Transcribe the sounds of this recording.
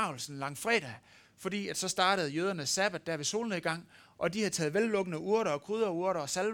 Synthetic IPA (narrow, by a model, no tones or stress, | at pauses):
ʊ̰l̩sn̩lɑ̈ŋ̰fʁɛ̰ːɾ̥æ | fɒ̽d̥ḭːæd̥sɒ̽sd̥ɑ̈ːɾ̥əð̞̩ˠjøːð̞ˠɐnəsːæb̥æd̥̚æɐʋe̝so̝̰ːlən̩eɡ̥ɑ̈ŋ̰ | ʔɒ̽dihæðˠt͡sʰɛːð̩ˠʋelːɔ̽ɡ̥ənəuɐɾɐɒ̽kʰʁyð̞ˠɐuɐɾɐɒ̽sæl